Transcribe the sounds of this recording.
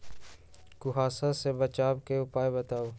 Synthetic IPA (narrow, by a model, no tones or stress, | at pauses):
kʊɦaːsasebət͡ʃaːbkeʊpaːebət̪aːoː